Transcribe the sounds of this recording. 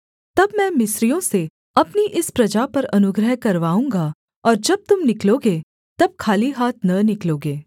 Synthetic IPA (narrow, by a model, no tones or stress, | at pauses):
t̪ɐbmɛ̃ːmɪsɾijõse | ɐpniʔɪspɾɐd͡ʒapɐɾɐnʊɡɾəɦkɐɾʋaːũːŋɡa | ɔːɾd͡ʒɐb̚t̪ʊmnɪkloːɡeː | t̪ɐb̚kʰaːliɦaːt̪̚ʰnɐnɪkloːɡeː